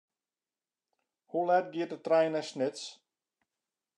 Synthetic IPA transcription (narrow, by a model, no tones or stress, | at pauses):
hulɛt̚ɡiət̚dətrɛjnɛsnɪts